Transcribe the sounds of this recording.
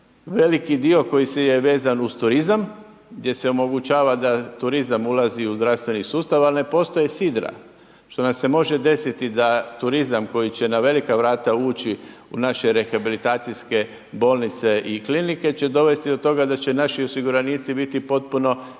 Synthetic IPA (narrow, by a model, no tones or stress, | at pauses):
ʋe̞likid̪io̞ko̞jisejeʋe̞ːzanust̪uɾizam | ɡd̪je̞se̞o̞mo̞ɡut͡ʃaːʋad̪at̪uɾizamulˠaziuzd̪ɾafst̪ʋe̞nisuːst̪aʋaline̞po̞ːst̪o̞jesid̪ɾa̰ | ʃt̪o̞namse̞mo̞ʒe̞d̪e̞sit̪id̪at̪uɾizamko̞jit͡ɕe̞naʋe̞likaʋɾaːt̪auːt͡ɕiunaʃeɾe̞xabilit̪aːt̪sijske̞ | bo̞ːlˠnit̪se̞ʔiklinike̞t͡ɕe̞d̪o̞ʋe̞st̪id̪o̞t̪o̞ɡad̪at͡ɕe̞naʃio̞siɡuɾaniːt̪sibit̪ipo̞t̪̚puno̞